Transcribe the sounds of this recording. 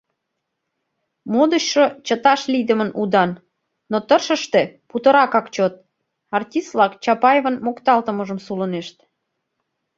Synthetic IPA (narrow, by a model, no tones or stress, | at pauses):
mod̪əɕʃot͡ɕət̪ɑʃlid̪əmənud̪ɑnː | ot̪ərʃəʃt̪e̽put̪ə̆ɾɑkɑkt͡ɕot̪̚ | ɑrtʲist̪vlɑkt͡ɕɑpɑjevənmokt̪ɑlt̪əməʒəmsuləneʃt̪